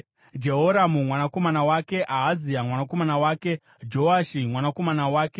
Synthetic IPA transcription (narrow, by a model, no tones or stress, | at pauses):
d͡ʒe̞ɦo̞ɾamumwanako̞manawake̞ʔaɦːziamwanako̞manawaːke̞ | d͡ʒo̞aʃimwanako̞manawaːke